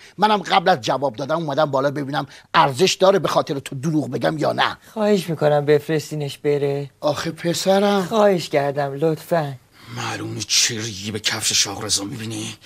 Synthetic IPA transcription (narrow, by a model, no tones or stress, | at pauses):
mænæmɢæblæzd͡ʒævɒːb̚d̪ɒːd̪æmuːmæd̪æmbɒːlɒːbe̞biːnæmʔæɾzeʃd̪ɒːɾebexɒːt̪ʰeɾet̪ʰod̪uɾuːɣbe̞ɟʲæmjɒːnæ̰xɒːheʃmiːkonæmbefɾest̪iːneʃb̥eɾeʔɒːxepʰesæɾæmxɒːheʃcæɾd̪æmlot̪fæn | mæluːnit͡ʃʰeɾiɡiːbecʰæfʃeʃɒːɣɾezɒːmibiːni